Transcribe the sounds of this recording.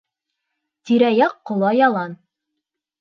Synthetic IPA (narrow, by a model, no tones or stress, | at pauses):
t̪iɾæjɑqːŏlˠɑjɑlˠɑn